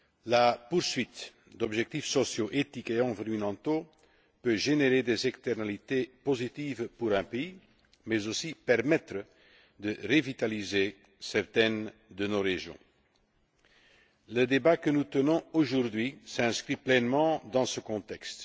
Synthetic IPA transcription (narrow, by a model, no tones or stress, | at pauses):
lapuʁsɥit̪ | d̪ɔbʒɛk̚t̪ifsɔsjoʔet̪ikeɑ̃viʁynɑ̃t̪o | pøʒeneʁed̪ezɛkst̪ɛʁnalit̪epozit̪iːvpuʁɛ̃pei | mɛzosipɛʁmɛt̪χə | d̪əʁevit̪alize | sɛʁt̪ɛnd̪ənoʁeʒjɔ̰̃ | ləd̪ebakənut̪ənɔ̃oʒuʁd̪ɥisɛ̃skriplɛnmɑ̃d̪ɑ̃səkɔ̃t̪ɛkst̪